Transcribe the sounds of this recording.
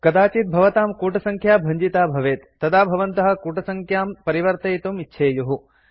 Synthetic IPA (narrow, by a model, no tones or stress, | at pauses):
kɐd̪aːt͡ʃit̪̚bʱɐʋɐt̪aːmkuːʈɐsɐŋkʰjaːbʱɐɲd͡ʒit̪aːbʱɐʋeːt̪ːɐd̪aːbʱɐʋɐnt̪ɐɦɐ̆kuːʈɐsɐŋkʰjaːmpɐɾiʋɐɾt̪ɐjt̪umitːʃʰeːjuɦu